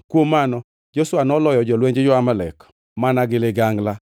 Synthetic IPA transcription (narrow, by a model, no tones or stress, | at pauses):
kwomːanɔ | d͡ʒoswanɔlɔjɔd͡ʒɔlweɲd͡ʒɪd͡ʒʊamalɛ̰k | manaɡɪleɡaŋɡla